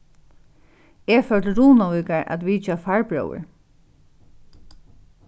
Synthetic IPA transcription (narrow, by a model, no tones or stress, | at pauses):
ɛfœt̪ɾuːnawiːkaɹʔa̰t̪ʋiːt͡ʃafaɹbɹœ̰wə̰ɹ